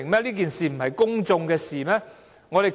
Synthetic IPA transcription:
ŋmɛː˥liː˥k̬iː˨nsiː˨m̩˨˩ɦɐ˨jkʊ˥ŋt͡sʊ˧ŋkɛː˧siː˨mɛː˥ | ŋɔ˨˧e˨˩

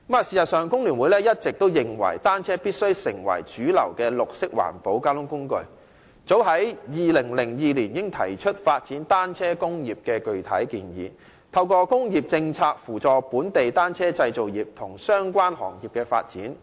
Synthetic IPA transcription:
maː˨siː˨˩sɐ˨t̚sœː˨ŋkʊ˥ŋlyː˨˩nwuː˨˥jlɛː˥jɐ˥t̚t͡sɪ˨k̚t̪o˥wjɪ˨ŋwɐ̰˨˩jt̪aː˥nt͡sʰɛː˥piː˥t̚sɵ˥ɥsɪ˨˩ŋwɐ̰˨˩jt͡ʃyː˨˥lɐ˨˩wkɛː˧lʊ˨k̚sɪ˥k̚wa̰ː˨˩npo˨˥wkaː˥lʊ˥ŋkʊ˥ŋkɵ̰˧ɥ | t͡so˨˥wɦɐ˨˥jjiː˨lɪ˨˩ŋlɪ˨˩ŋjiː˨˧liː˨˩njɪ˥ŋt̪ʰɐ̰˨˩jt͡ʃʰɵ˥t̚faː˧t̚t͡siː˨˥nt̪aː˥nt͡sʰɛː˥kʊ˥ŋjiː˨p̚kɛː˧kɵ˨ɥt̪ʰɐ̰˨˥jkiː˧njḭː˨˧˦ | t̪ʰɐ˧wkɔː˧kʊ˥ŋjiː˨p̚t͡sɪ˧ŋt͡sʰaː˧k̚fuː˨˩t͡sɔː˨puː˨˥nt̪e˨jt̪aː˥nt͡sʰɛː˥t͡sɐ˧jt͡so˨wjiː˨˩p̚t̪ʰʊ˨˩ŋsœː˥ŋkʷwaː˥nhɔ̰ː˨˩ŋjiː˨˩p̚kɛː˧fa̰ː˧t̚t͡siː˨˥n

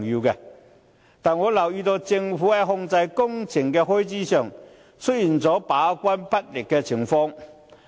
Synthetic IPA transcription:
ŋju˧kɛ˧ | t̪a˨nŋwɔ˨˦la˨˩wi˧t̪o˧t͡ɕi˧ŋfu˨˥ɛ˧ɦɔ˧ŋt͡sa˧jkʊ˥ŋt͡ɕʰi˨˩ŋkɛ˧ho˥jt͡ɕi˥ɕœ˨˩ŋ | t͡sʰʊ˥t̚ji˨˩nt͡sɔː˨˧˥pa˨˦kwa˥npa˦˥t̚li˨˩kkɛ˧t͡ɕʰi˨˧˥ŋfɔ˧ŋ

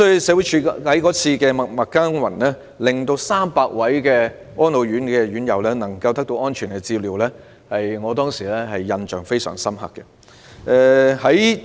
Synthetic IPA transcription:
sɔ˥jy˨˧sɛː˨˧wu˨˥jt͡ʃʰyː˨˧˥hɐ˨˥jkɔː˨˥t͡sʰiː˧kɛ˧mɐ˨mɐ˨kːaː˥nwɐ̰˨˩nlɛː˥ | lɪ˨ŋt̪o˧wsaː˥mpaː˧k̚wɐ˨˥jkɛː˧ | ŋɔː˥nlo˨˩wjyː˨˥nkɛː˧ɥyː˨˥njɐ˨˧wlɛ˥nɐ˨˩ŋkɐ˧wt̪ɐ˥k̚t̪o˧wɔː˥nt͡ʃʰyː˨˩nkɛ˧t͡siː˧liː˨˩wlɛː˥ | hɐ˨jŋɔː˨˧t̪ɔː˥ŋsiː˨˩lɛː˥hɐ˨jːɐ˧nt͡ʃœ̰ː˨˩ŋfe˥jsœ̰ː˨˩ŋsɐ˥mhɐ̰˨kːɛ˧ | ʔɛ˧hɐ˨˥j

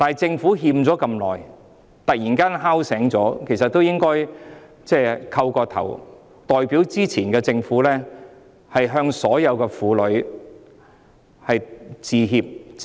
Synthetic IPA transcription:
t̪aː˨˩t͡sɪ˧ŋfuː˨˥ɦiː˧mt͡sɔː˨˥kɐ˧mlɔː˨˩j | t̪ɐ˨k̚jiː˨˩nkaː˥nɦaː˥wsɛː˨˥ŋt͡sɔː˨˥kʰe˨˩js̬ɐ˨t̪̚ːo˥wjɪ˥ŋkɔː˥j | t͡sɛː˥˩kʰɐ˧wkɔː˧t̪ʰɐ̰˨˩w | t̪ɔː˨˩jpiː˨˥wt͡siː˥t͡sʰiː˨˩nkɛː˧t͡sɪ˧ŋfuː˨˥lɛː˥ | hɐ˨jɦœː˧ŋsɔː˨˥jɐ˨˧wkɛː˧fuː˨˥lɵ˨˥ɥ | hɐ˨jt͡siː˨˧ɦiː˧p̚

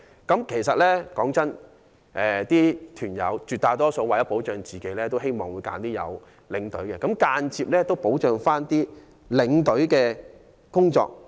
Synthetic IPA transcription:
kɐ˨˥mkʰe˨˩jsɐ˨t̚lɛː˥kɔː˨˥ŋt͡sɐ˥n | ʔɛː˨t̪iː˥t̪ʰyː˨˩njɐ̰˨˧wt͡ʃyː˨t̪̚aː˧jt̪ɔː˥so˧waː˨jɐ˥po˨˥wt͡ʃœː˨˧ŋt͡siː˨ke˨˥lɛː˥t̪o˥whe˥jmɔː˨ŋwu˨˧jka̰ː˨˥nt̪iː˥jɐ̰˨˧w | lɪ˨˧˥ŋt̪ɵ̰˨˥ɥkɛ˧kɐ˨˥mkaː˧nt͡siː˧p̚lɛː˥t̪o˥wpo˨˥wt͡ʃœː˨˧ŋfaː˥nt̪iː˥ | lɪ˨˧˥ŋt̪ɵ˨˥ɥkɛː˧ | kʊ˥ŋt͡sɔ̰ː˧k̚

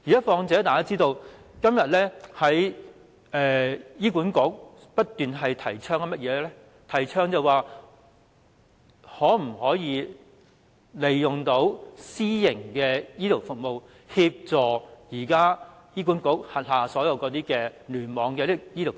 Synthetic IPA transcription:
iː˨˩ɐ˦˥fɔː˧ŋt͡sɛː˨˥t̪aː˨˩kaː˥t͡siː˥t̪o˧wkɐ˥mjɐ˨t̚lɛː˥hɐ˨˥j | ʔɛː˨˧jiː˥kuː˨˥nkʊ˨˥k̚ | pɐ˥t̚t̪yː˨nɦɐ˨jt̪ʰɐ˨˩jt͡ʃʰœː˥ŋkɐ˨˧mɐ˥t̚jɛː˨˧lɛ˥ | t̪ʰɐ˨˩jt͡ʃʰœː˥ŋt͡sɐ˨waː˨ | hɔː˨˥m̩˨˩hɔː˨˥jiː˧ | le˨˩jːʊ˨˩ŋt̪o˨˥wsiː˥jɪ˨˩ŋkɛː˧jiː˥t̪o˨˩wfʊ˨k̚mo˨w | hi˧p̚t͡sɔː˨jiː˨˩kaː˥ | jiː˥k̬uː˨˥nkʊ˨˥k̚hɐ˨t̚haː˨sɔː˨˥jɐ˨˧wkɔː˨˧t̪iː˥kɛː˧lyː˨˩nmɔː˨˧ŋkɛː˧li˥jiː˥t̪o˨˩

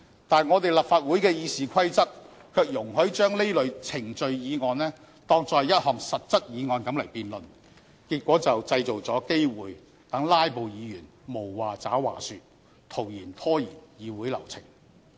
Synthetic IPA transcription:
t̪aː˨nŋɔː˨˧t̪e˨jlɐ˨p̚faː˧t̚wuː˨˥jkɛː˧jiː˨˧siː˨kʰɐ˥jt͡sɐ˥k̚ | kʰœː˧k̚jʊ˨˩ŋɦɵ˨˥ɥt͡ʃœː˥ŋle˥jlɵ˨˧ɥt͡sʰɪ˨˩ŋt͡ʃɵ˧ɥjiː˨˧ŋɔː˧nlɛː˥ | t̪ɔː˥ŋt͡sɔː˨˧jːɐ˥t̚hɔː˨˩ŋsɐ˨t̚t͡sɐ˥t̚jiː˨˧ŋɔː˨˧nkɐ˨˥mlɐ˨˩jpiː˨nlɵ˨n | kiː˧t̚kʷɔː˨˥t͡sɐ˨wt͡sɐ˧jt͡so˨wt͡sɔː˨˥ke˥jwuː˨j | t̪ɐ˨˥ŋlaː˥jpo˨wjiː˨˧jyː˨˩nmo˨˩wːaː˨t͡saː˨˥wwa̰ː˨˩syː˧t̚ | t̪ʰo˨˩wjiː˨˩nt̪ʰɔː˥jiː˨˩njiː˨˧wuː˨˥jlɐ̰˨˩wt͡sʰɪ̰˨˩ŋ

